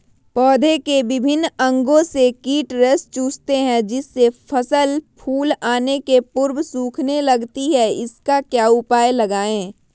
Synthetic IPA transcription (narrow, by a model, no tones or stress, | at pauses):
pɔːd̪ʱekeʋɪbʱɪnːɐ̃ŋɡõsekiːʈɾest͡ʃuːst̪eɦɛ̃d͡ʒɪsːepʰəsəlpʰuːlaːnekepʊɾbsuːkʰnelɐɡt̪iɦɛɪskakjaːʊpaːelɐɡaːẽː